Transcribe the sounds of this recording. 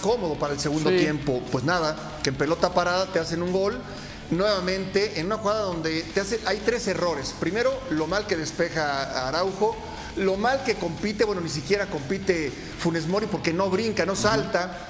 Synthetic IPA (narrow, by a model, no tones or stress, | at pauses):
ko̞mo̞ðo̞paɾaelseɣũnd̪ot̪je̞mpo̞pwe̞znaða | kempe̞lo̞t̪apaɾaðat̪ease̞nũŋɡo̞l | nwe̞βamẽ̞nt̪e̞ʔenunaxuɣaðaðo̞nd̪e̞t̪easeʔajt̪ɾe̞se̞ro̞ɾe̞spɾimeɾo̞lo̞malke̞ðe̞spe̞xaaɾawxo̞ | lo̞malke̞ko̞mpit̪e̞βwe̞no̞nis̬ikje̞ɾako̞mpit̪e̞ | fune̞zmo̞ɾipo̞ɾke̞no̞βɾiŋkano̞salt̪a